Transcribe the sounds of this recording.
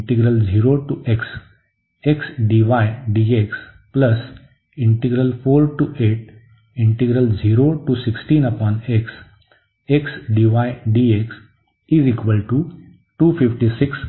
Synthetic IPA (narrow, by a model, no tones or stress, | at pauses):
ʈiɡɾəld͡ʒiːɾoʈuʔeks | eksɖiʋaɪɖieks | pləs | ɪ̃ɳʈiɡɾəlfoːɾʈuʔeʈ | ĩɳʈiɡɾəld͡ʒiːɾoʈusiksʈĩːnəpɔ̃ːneks | eksɖiʋaɪɖieks | izikʋəlʈu | ʈuːfifʈisɪks